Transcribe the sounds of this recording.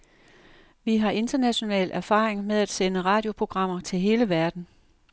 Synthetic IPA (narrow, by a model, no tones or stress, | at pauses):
ʋiɦɑ̈ʔe̝nd̥ɐnæɕo̝nɛ̰ːlʔæɐfɑ̰̈ːʁeŋmeð̞ˠæd̥senəʁɑ̈ːd̥jo̝pʰʁo̝ɡ̥ʁɑ̈m̰ɐt͡sʰe̝lɦe̝ːləʋæɐd̥n̩